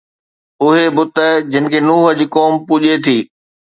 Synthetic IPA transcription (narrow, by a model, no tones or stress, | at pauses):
ʊɦebʊt̪əd͡ʑɪnɪ̆kʰeːnuːɦəd͡ʑiːkoːmpuːʄet̪ʰiː